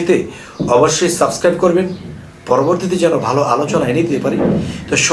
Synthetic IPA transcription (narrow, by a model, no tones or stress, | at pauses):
t̪e | ɔboʃːojsabskɾajb̚koɾben | pɔɾoboɾt̪it̪̬id͡ʑɛnobʱaloʔalot͡ɕonaened̪iepaɾit̪oʃ